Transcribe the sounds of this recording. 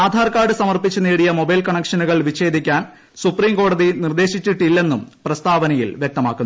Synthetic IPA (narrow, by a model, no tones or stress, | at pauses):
aːd̪ʱaːrkaːɖɨsɐmɐrpit͡ɕːuneːɽijɐmo̞bɐjlkɐɳɐkʂɐnuɣɐɭʋiɕe̞ːd̪ʱikʲːaːn | supriːmko̞ːɽɐðinird̪e̞ːɕit͡ɕːiʈːilːe̞nːumprɐst̪aːʋɐnɐjḭlʋjek̚t̪ɐmaːkːunː